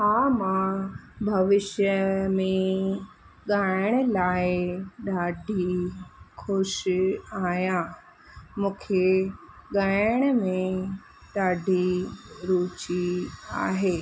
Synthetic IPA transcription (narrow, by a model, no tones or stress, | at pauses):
ɦamãbʱɐʋɪʃjəmẽ | ɠaːɪɽ̃əlaːɪɗaːɖʱi | xʊʃaːɦjã | mũːkʰeɠaːɪɪɽ̃əmẽ | ɗaːɖʱiɾuːt͡ɕia̰ːɦeː